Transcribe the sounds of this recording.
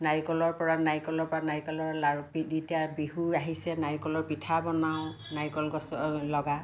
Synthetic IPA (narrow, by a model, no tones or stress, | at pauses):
naɹkɔlɔɹpɔɹanajkɔlɔɹpɔɹanajkɔlɔɹlapiditiabiɦuaɦisɛnaɹikɔlɔɹpitʰabɔnawʊ | najkɔlɡɔsɔlɔɡa